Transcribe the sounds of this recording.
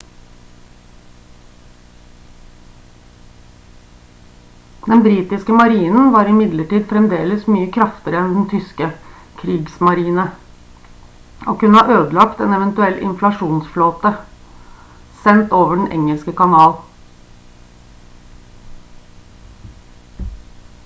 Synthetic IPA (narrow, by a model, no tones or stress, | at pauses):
d̪ɛnbɾiːt̪ɪskəmɑɾiːnən̩ʋɑːɾɪmɪd̪ləʈiːd̪fɾɛmd̪eːləsmyːəkʰɾɑft̪əɾəɛnd̪nt̪ʰʏskə | kʰɾiːɡsmɑɾiːnə | oːkʉnːəhɑʔøːd̪əlɑkt̪ɛnɛʋɛnt̪ʉɛlʔɪ̰nflɑʂuːnsfloːt̪ə | sɛnt̪oːʋəɖɳ̩ʔɛ̰ŋəlskəkɑnɑːl